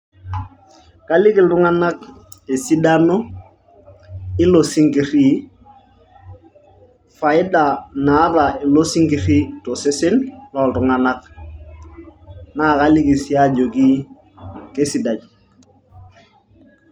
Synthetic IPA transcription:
ka˦li˦ki˨ltu˦ŋa˦na˦k̚ | e˨si˦da˦no˦ | ɪ˦lo˨si˦ŋki˨ɾi˦ | fa˨ɪ˦da˨na˨˦ɾa˨i˨lo˦si˦ŋki˨ɾi˦to˨se˦se˦nlɔ˨ltu˨ŋa˦na˦k | na˦˨ka˦li˦ki˨si˦a˦d͡ʒo˨ki˦ | ke˦si˨da˨ɟ

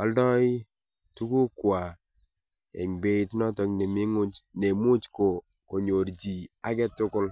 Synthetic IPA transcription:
a˨˦ldɔ˦i˦ | tu˦ku˦kwa˨ | ɛ̰˨ŋbe˦tnɔ˦tɔ˨kne˨mi˦ŋʊ˦t͡ʃne˨mu˦t͡ʃko˨ | ko˨ɲo˨ɾd͡ʒi˨a˦kɛ˦tʊ˦kʊ˦l

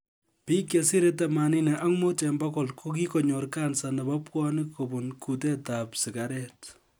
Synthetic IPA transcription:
pi˦kje˨si˦ɾeta˨mani˦nɛ˨ʔa˦ŋmo˦tɛ˨mbakɔ˨lkʰo˦k̬i˦kɔ˨ɲɔ˨rka˦nsa˨nɛ˨ba˦pkɔnɪ˦kʰːo˨bunku˨tɛ˦tapsɪ˨kaɾɛt

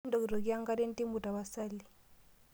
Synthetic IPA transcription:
n̩˦dɔ˨ki˨ɾɔ˨ki˦ja˦ŋ̩˦ka˦de˦n̩˦ti˦m̩˦bu˨ta˨ba˨sa˦li˨

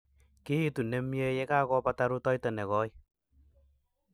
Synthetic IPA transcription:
ki˦i˦tu˨nɛ˦mje˦jɛ˦ka˦kɔ˧pata˦ɾu˦tɔ˦jtɛ˨nɛ˨kɔ˦j

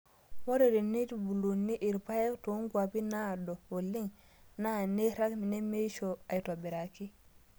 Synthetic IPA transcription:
mo˦ɾe˨ɾi˨ni˦tbu˨lu˨nːi˦ʔi˨ɾpa˦je˦to˨u˦ŋɡwa˨pi˦na˦do˨wo˨lːi˦ŋ | na˦˨ne˦ɾa˦kmi˨ne˦me˦ʃo˨a˨jto˨be˨ɾa˨ki˦

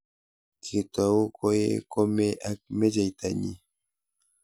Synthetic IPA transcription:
kʰi˨t̪a˨u˦ko˦je˦ko˦meʔak̚me˦d͡ʒajt̪aɲḭ

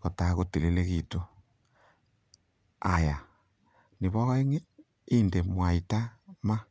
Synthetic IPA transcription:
ɣo˨taɣo˨te˨le˦le˦ɣito˦ | a˨ja˨ | ni˨βɔ˦e˦ŋe˦ | inde˨mwa˨ita˦ma˦

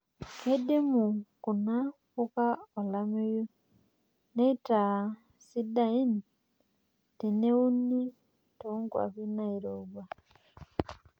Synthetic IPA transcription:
ke˦de˦mu˨ku˨na˦ | ku˦ka˦o˨la˦me˦jo˦ | ne˦i˦ta˨ | si˦da˨i˦ni | te˨ne˦u˦ni˦ | to˨u˦ŋɡwa̰˨βi˦na˦i˨ɾo˨ɡwa˨

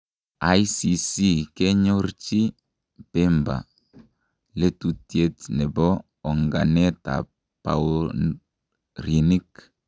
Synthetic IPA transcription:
a˦isi˨si˦ke˦ɲo˦rt͡ʃi˦ | pe˦mba̰˨ | le˦tu˨tje˦tnɛ˨bɔ˦ | ɔ˨ŋɡa˨ne˦ta̰˨ | pa̰˨o | ri˨ni˦k

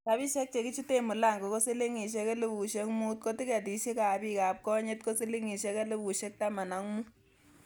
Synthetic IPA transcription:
ka˨βi˦ʃɛ˦k̚t͡ʃe˨ki˦t͡ʃi˦te˦mu˨la˦˨ŋɡɔ˨ko˦se˦le˦ŋi˨ʃ̬ɛ˦kɛ˦lɪ˦βu˨ʃɛ˦ŋ˦mu˦tko˦ti˦ka˨di˨˦ʃi˦ka˨bi˦ka˨p̚kɔ˦ɲe˦tko˦si˦li˦ŋi˨ʃɛ˦kɛ˦lɪ˦βu˨ʃɛ˦k̚ta˦ma˨na˨ŋ˦mu˦

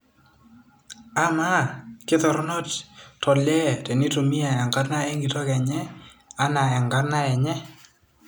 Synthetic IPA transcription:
a˨ma˦kɪ˦tɔ˨ɾnɔ˦ttɔ˨lɛ˦tɛ˨ni˦to˨mi˦a˨a˨ŋɡa˦tna˦ɛ˦ŋɡi˨tɔ˦kɛ˨ɲɛ˦a˦na˨ɛ˨ŋɡa˦rna˦ɛ˨ɲɛ˦

